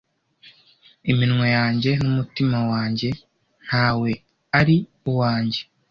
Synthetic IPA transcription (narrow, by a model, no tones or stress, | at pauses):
iminŋwejaːɲɟe̞numutimawaːɲɟe̞ | n̥haːwe̞ | aɾi | uwaːɲɟe̞